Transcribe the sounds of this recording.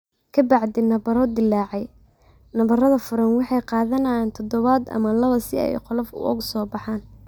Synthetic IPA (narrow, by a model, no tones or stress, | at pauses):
kʰɐbɑʕd̪ɪnɐbɐɾɔd̪ɪlːɑːʕɛj | nɐβɐɾɐðɐfʊɾɐnwɑħɑjqɑːðɐnɐjaːnt̪ʰɔd̪ɔβɐd̪ɐ̰mɐlɐβɐsɪɛ̰jqɔlɐfʊ̰ʔɔ̰ɣʊsɔːbɑħɑːn